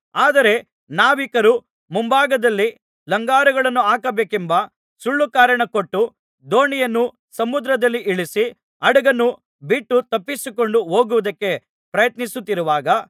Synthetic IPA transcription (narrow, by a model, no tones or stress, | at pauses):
aːd̪ɐɾe̞ | naːʋikɐɾu | mumbaːɡɐd̪ɐlːi | lɐŋɡaːɾɐɡɐɭɐnːuaːkɐbeːkembɐ | suɭːukaːɾɐɳɐko̞ʈːu | d̪o̞ːɳijɐnːu | sɐmud̪ɾɐd̪ɐlːiʔiɭisi | ɐɽɐɡɐnːu | biʈːut̪ɐpːisiko̞ɳɖuɦo̞ːɡuʋɐd̪ɐkːe̞ | pɾɐjɐt̪nisut̪ːiɾuʋaːɡɐ